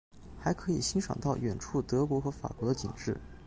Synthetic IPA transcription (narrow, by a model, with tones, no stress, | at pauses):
xa˧˥ɪkʰɤ˧˥i˨˩ɕi˥ŋʂɑ̰˨˩ŋt̪ɑ˥˩ʊɥɛ˨˩nʈ͡ʂʰu˥˩t̪ɤ˧˥kwɔ˧˥xɤ˧˥fa̰˨˩kwɔ˧˥d̪ə˧t͡ɕḭ˨˩ŋʈ͡ʂɻ̩˥˩